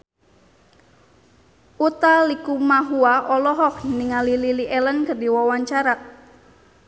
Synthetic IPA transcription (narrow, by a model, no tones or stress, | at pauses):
ʔut̪alikumaɦuaʔɔlɔɦɔk̚niŋalililiʔɛlənkərdiwɔwaɲt͡ʃaɾaʔ̚